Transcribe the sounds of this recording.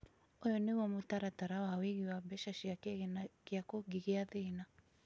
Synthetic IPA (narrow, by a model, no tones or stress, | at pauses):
ojɔnewɔmotaɾataɾawawiɣiwabɛʃaʃjakeɣenakeakoɡiɣeaðena